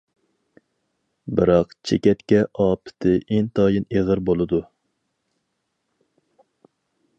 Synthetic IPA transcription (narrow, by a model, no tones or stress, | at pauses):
bɨɾɑqt͡ʃʰekʲɛt̪kʲɛʔɑːpʰɪ̥t̪ʰɪʔent̪ʰɑːjineʁɨɾbolˠɨd̪u